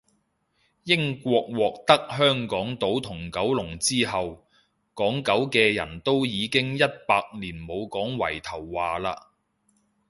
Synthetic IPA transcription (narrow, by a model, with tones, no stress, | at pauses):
jɪ˥ŋkʷɔː˧k̚wɔː˨k̚t̪ɐ˥k̚ɦœː˥ŋkɔː˨˥ŋt̪o˨˥wt̪ʰʊ˨˩ŋkɐ˨˥wlʊ˨˩ŋt͡siː˥ɦɐ˨w | kɔː˨˥ŋkɐ˨˥wkɛː˧jɐ̰˨˩nt̪o˥wjiː˨˧kɪ˥ŋjɐ˥t̚paː˧k̚liː˨˩nmo˨˧wkɔː˨˥ŋwɐ̰˨˩jt̪ʰɐ˨˩wːaː˨laː˧